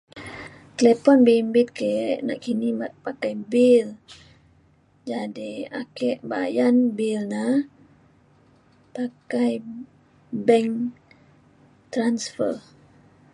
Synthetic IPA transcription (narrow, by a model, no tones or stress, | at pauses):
klɛpɔnbimbit̪̚keʔna̰ʔkinipakajbil | d͡ʒadia̰kɛʔba̰janbilna | pakaj | bɛŋ | t̪ɾansfə̰r